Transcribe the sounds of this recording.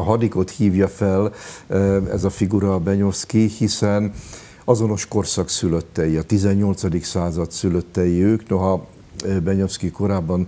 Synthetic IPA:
ɒɦɒd̪iko̞t̪hiːvjɒfɛl | ɛ̰zɒfiɡuɾɒbɛɲo̞fskihisɛn | ɒzo̞no̞ʃko̞rsɒksyløt̪ːɛjiɒt̪izɛɲːo̞lt̪sɒd̪iksaːzɒt̪syløt̪ːɛjiøːkno̞ɦɒ | bɛɲo̞fskiko̞ɾaːbːɒn

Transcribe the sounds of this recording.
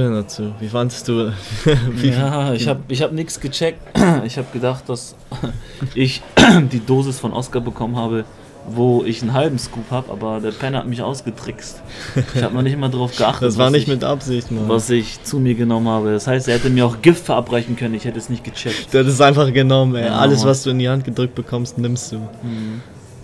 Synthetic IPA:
øːndat͡suːviːfandstd̥uː | viaɪhaːbɪçhaːbənɪçsɡ̥ət͡ʃɛk̚tɪçhaːbəɡ̥ədaχt̚d̥as | ʔɪçdiːdoːzɪsfɔnʔɔ̰skabəkʰɔmənhaːbə | voːɪçn̩ɦalbm̩skuːphaːbəʔa̰ːbɐdeːɐpʰɛnha̰tmɪçʔa̰ʊsɡ̥ətʁ̥ɪkst | ɪçhaːbənanɪçtmaːdaʁaʊfɡ̥əʔaχtdəasvaːɐnɪçtmɪtʔa̰pz̥ɪçtn̩vasɪçt͡sumiːɐɡənɔmənhaːbədashaɪstɛɐhɛtəmiːɐaʊxɡ̥ɪftfɛɐʔapʁaɪçn̩kʰœnənɪçhɛtəɛsnɪçt̚ɡ̥ət͡ʃɛkd̥uːhatɛs̬ʔaɪnfaχɡ̥ənɔmənɛʔa̰ləsv̥as̬d̥uːɪndihant̚ɡ̥ədʁʏk̚t̚b̥əkʰɔmstnɪmstd̥uːmm̩hm̩

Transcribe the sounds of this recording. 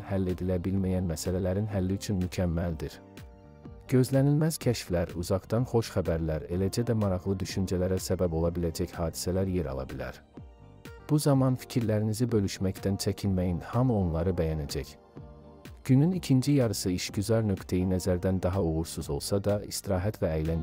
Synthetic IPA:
hælːe̞d̪ilæbilmæjænmæsælælæɾinɦælːiyt͡ʃʰynmycʰæmːæld̪iɾ | ɟ̥ø̞zlænilmæz̥cʲʰæʃflæɾuzɑʁd̪ɑnχo̞ʃχæbæɾlæɾe̞læd͡ʒæd̪æmɑɾɑʁlˠɯd̪yʃynd͡ʒælæɾæsæbæbo̞lˠɑbilæd͡ʒæçhɑːd̪i̥sælæɾje̞ɾɑ̰lˠɑ̰bilæ̰ɾ | b̥uzɑmɑnfi̥cʰiɾlæɾinizibø̞lyʃmæct̪ænt͡ʃʰæcʰilmæjinhɑmuo̞nlˠɑɾɯbæjænæd͡ʒæç | ɟ̥ynynicʰind͡ʒijɑɾɯsɯiʃɟyzɑɾnø̞kt̪ʰejinæzæɾd̪ænd̪ɑɦɑoʁuɾsuzo̞lˠsɑd̪ɑist̪iɾɑːɦæt̪ʰvæːjlæn

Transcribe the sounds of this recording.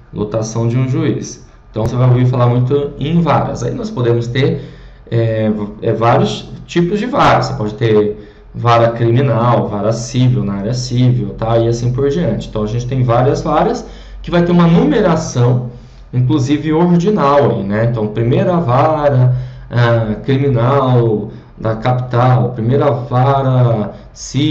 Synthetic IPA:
lʔo̰t̪asɐ̃w̃d͡ʒɪũʒuḭs | ẽt̪ɐ̃w̃sevajoviɾfalaɾmũj̃t̪ʊẽvaɾɐ̰zaḭnɔspod̪ẽmʊst̪eɾ | ɛɛvaɾjʊst͡ʃipʊzd͡ʒɪvaɾɐse̥pɔd͡ʒɪt̪eɾ | vaɾɐkɾimĩnawvaɾɐsivewnɐaɾɪɐsivewt̪aɪasĩpoɾd͡ʒiɐ̃nt͡ʃɪẽt̪ɐ̃w̃ɐʒẽnt͡ʃɪ̥t̪ẽj̃vaɾiɐzvaɾjɐs | kɪvajt̪eɾũmɐnumeɾasɐ̃w̃ | ĩk̬luzivɪoɾd͡ʒinawaḭnɛẽt̪ɐ̃w̃pɾimejɾavaɾɐ | akɾimĩnaw | d̪ɐkapi̥t̪awpɾimejɾɐvaɾɐ | si

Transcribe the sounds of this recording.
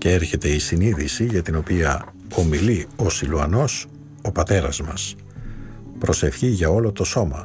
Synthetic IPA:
ceeɾçe̞t̪e̞isiniðisiʝɐt̪ino̞piɐ | o̞milio̞siluɐno̞s | o̞pɐt̪e̞ɾɐzmɐs | pɾo̞se̞fçiʝɐo̞lo̞t̪o̞so̞mɐ̰

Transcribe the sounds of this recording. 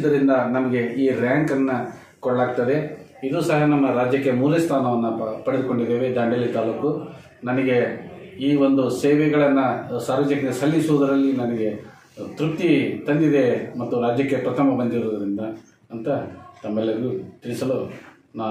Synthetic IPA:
d̪ɐɾind̪ɐnɐmɐɡe̞iːɾjaːŋkɐnːɐ | kɔɽɐlaːɡ̚t̪ɐd̪e̞id̪uːsɐɦɐnɐmːɐɾaːd͡ʒjɐkːe̞muːlɐst̪ʰaːnɐʋɐnːɐpɐɽed̪uko̞ɳɖid̪ːeːʋe̞d̪aːɳɖelːit̪aːluːku | nɐnɐɡe̞iːʋo̞nd̪useːʋɛɡɐɭɐnːɐsaːɾʋɐːd͡ʒɐkːɐesɐlːisuʋud̪ɐɾɐlːinɐnɐɡe̞ | t̪ɾup̚t̪it̪ɐnd̪id̪e̞mɐt̪ːuɾaːd͡ʒjɐkːe̞pɾɐt̪ʰɐmɐbɐnd̪iɾoːd̪ɐɾind̪ɐː | nt̪ɐt̪ɐmːɛlːɐɡɐɡut̪iɭisɐlu | naː

